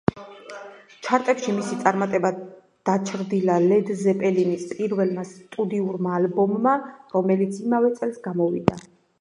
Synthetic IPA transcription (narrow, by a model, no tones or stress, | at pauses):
t͡ʃʰaɾt̪ʼɛpʃimisit̪sʼaɾmat̪ʼɛba | d̪̥at͡ʃʰɾd̪ilalɛd̪zɛpʼɛlinispʼiɾvɛlmast̪ʼud̪iuɾmaːlbɔmːaɾɔmɛlit̪sʰimavɛt̪sʼɛlˠsɡamɔvḭd̪a